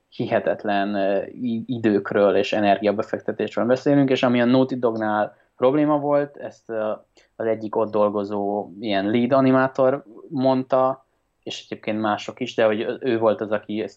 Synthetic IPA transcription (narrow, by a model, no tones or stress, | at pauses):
hiɦɛt̪ɛt̪lɛniid̪øːkrøːleːʃɛnɛrɡijɒbɛfɛk̚t̪ɛt̪eːʃrøːlbɛseːlyŋkeːʃɒmiɒnuːt̪id̪o̞ɡnaːl | pro̞bleːmɒvo̞lt̪ɛst̪ | ɒzɛɟːiko̞d̪ːo̞lɡo̞zoːijɛnliːd̪ɒnimaːt̪o̞rmo̞nt̪ɒ | eːʃɛɟeːp̚keːnt̪maːʃo̞kiʒd̪ɛɦo̞ɟøːvo̞lt̪ɒzɒkiɛs